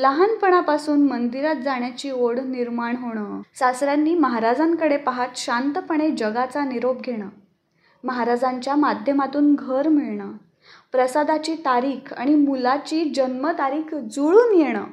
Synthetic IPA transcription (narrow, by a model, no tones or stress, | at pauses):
ləɦanpəɽ̃apasuːnmənd̪iɾat̪̚d͡zaɳjat͡ɕiːoɽniɾmaɳɦoɽ̃əsasɾjanːiːməɦaɾad͡zaŋkəɽepaɦat̪ɕant̪əpəɳ̃ed͡ʑəɡat͡saniɾob̚ɡʱeɽ̃a | məɦaɾad͡zãɲt͡ɕjamad̪ʱjəmat̪uːnɡʱəɾmiɭɳa | pɾəsad̪at͡ɕiːt̪aɾiːkʰa̰ɽ̃imulat͡ɕiːd͡ʑənmət̪aɾiːkʰd͡zuɭuːnjeɽ̃ə̰ː